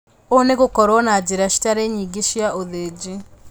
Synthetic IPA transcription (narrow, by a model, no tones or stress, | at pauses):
oneɣokɔɾwɔnad͡ʑeɾaʃi̥taɾeɲiːɡeʃjaoðeːd͡ʑe